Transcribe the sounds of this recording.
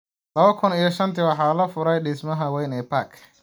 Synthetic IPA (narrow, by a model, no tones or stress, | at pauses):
lɐβɐkʰʊnijɐʃɐnt̪ʰiwɑħɑːlɐfʊɾɛjɖɪsmɐɦɐwɛjnɛːpʰaːkʰ